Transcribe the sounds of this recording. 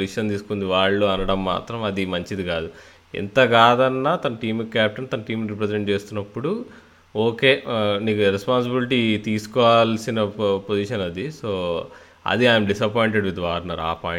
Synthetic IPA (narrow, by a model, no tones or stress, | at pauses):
iʃɐnt̪iːsu̥kund̪iʋaːɭːuɐnɐɽɐmːa̰ːt̪ɾɐmɐd̪imɐɲt͡ʃid̪iɡaːd̪u | ḭnt̪ɐɡaːd̪ɐnːaːt̪ɐnɐʈiːmkːaːp̚ʈɐnt̪ɐnɐʈiːmɾip̬ɾezeɳʈ̚t͡ʃe̞ːst̪unːɐpːuɽu | oːke̞ːniːkuɾespaːns̬ibiliʈit̪iːsu̥kɔːʋaːlsinɐpod͡ʒiʃɐnɐd̪iso̞ː | ɐ̰d̪iaːjɐmɖisɐpojiɳʈeɖʋid̪ʋaːɾnaːɾa̰ːpaːj